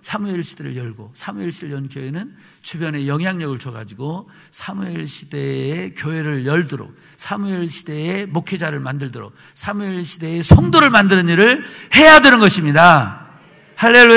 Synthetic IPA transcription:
sʰamuiɭɕʰid̥eɾɯ̰ɭjʌɭɡo̰sʰamuiɭɕʰiɾɯɭjʌnkjoe̞nɯn | t͡ɕubjʌne̞jʌŋɦjaŋɲʌɡɯɭt͡ɕʰʌɡa̰d͡ʑiɡo | sʰamuiɭɕʰide̞ːkjoɦe̞ɾɯɭjʌɭdʌɾo̰k̚ | sʰamuiɭɕʰide̞emokʰed͡ʑaɾɯɭmandɯɭdʌɾo̰k̚ | sʰamuiɭɕʰide̞ːsʰʌŋdoɾɯɭmandɯɾɯɲiɾɯɭhe̞jadenɯnɡʌɕʰimɲida | haɭːe̞lːu

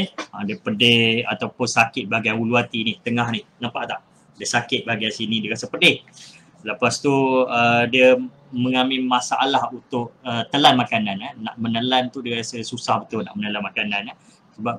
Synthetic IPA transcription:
adiəpədeha̰t̪awpʊnsakɪt̪̚baɡaauluat̪inɪht̪əŋahnɪhnapaʔt̪aʔ | diəsakɪt̪̚baaɡaasinĩdiəɾasəpədɪh | ləpast̪uədiə | mə̃ŋamɪmasaʔalahunt̪ʊʔ̚ət̪əlanmakananana̰ʔmənəlant̪udiəɾasəsusahbət̪una̰ʔmənəlanmakanãna | səbap̚

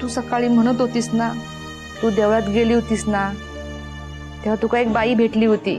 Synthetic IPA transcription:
t̪uːsəkaɭiːm̤əɽ̃ət̪ɦot̪iːsna | t̪uːd̪eʋɭat̪ɡeliːɦot̪iːsna | t̪eʋ̤at̪ukaek̚baiːbʱeʈliːɦot̪ḭː

